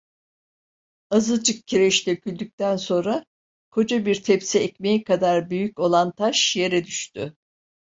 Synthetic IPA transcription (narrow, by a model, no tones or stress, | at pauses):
azɯd͡ʒɯk̚cʰiɾɛʃt̪ʲɛøcʰylʲd̪yc̚t̪ænso̞nɾa | kʰo̞d͡ʒabiɾt̪ʰɛpsɛɛcmejikʰad̪aɾbyjyco̞lˠant̪ʰaʃje̞ɾɛd̪yʃt̪ʰy